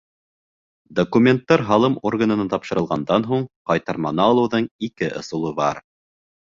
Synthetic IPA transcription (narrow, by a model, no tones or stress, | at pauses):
d̪okumʲent̪ːɑɾɦɑlˠɤmorɡənɤ̆nɑt̪ɑpʃɤ̆ɾɤ̆lˠʁɑnd̪ɑnɦuɴqɑjt̪ɑɾmɑnɑːlˠɤ̆wðɤɴikɘʔŏ̰sulˠɤbɑɾ